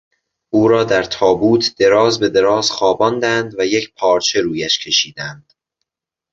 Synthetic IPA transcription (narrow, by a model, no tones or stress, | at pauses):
ʔuːɾɒːd̪æɾt̪ʰɒːbuːt̪ʰd̪̥e̞ɾɒːzbe̞d̪e̞ɾɒːzxɒːbɒːnd̪ænd̪væjecʰpʰɒːɾt͡ʃʰe̞ɾuːjæʃcʰe̞ʃiːd̪ænd̪̥